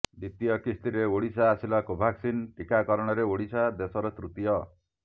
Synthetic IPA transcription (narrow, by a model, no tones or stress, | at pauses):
d̪it̪ijɔkist̪iɾeoɽisaːsilakobʱaksinʈikakɔɾɔɽ̃ɔɾeoɽisad̪esɔɾɔt̪ɾut̪ijɔ